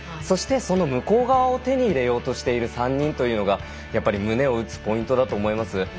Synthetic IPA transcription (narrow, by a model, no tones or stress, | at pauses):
so̞ɕi̥t̪e̞so̞no̞mɯ̟ko̞ːɡaβao̞t̪e̞ɲ̟iːɾe̞jo̞ːt̪o̞ɕi̥t̪e̞iɾɯ̟sãɲ̟ːĩnt̪o̞jɯ̟no̞ɡa | japːaɾʲimɯ̟ne̞o̞ɯ̟t͡sɨ̥po̞ĩnt̪o̞d̪at̪o̞ːmo̞imasɨ